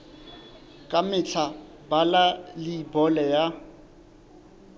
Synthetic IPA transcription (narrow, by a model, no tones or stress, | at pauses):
kʼamɪt͡ɬʰa | balalɪːbɔlɛja